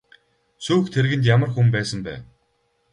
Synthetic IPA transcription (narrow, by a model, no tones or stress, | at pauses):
suːxt̪ʰeɾɣɘ̆nt̪̬jamə̆rxumpæːsə̆mpæ̰ː